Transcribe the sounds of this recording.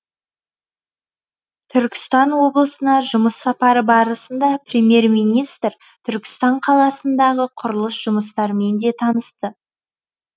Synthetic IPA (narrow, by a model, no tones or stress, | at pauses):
t̪ʰʏɾkʲɪ̥st̪ɑnwo̞blˠəsənɑʒʊməsːɑpɑɾəbɑɾəsənd̪ɑprʲe̞mʲje̞ɾmijnijst̪ɾ | t̪ʰʏɾkʲɪ̥st̪ɑɴqʰɑlˠɑsənd̪ɑʁəqʰʊɾəlˠəsʒ̥ʊməst̪ɑɾme̞nd̪e̞t̪ʰɑnəst̪ə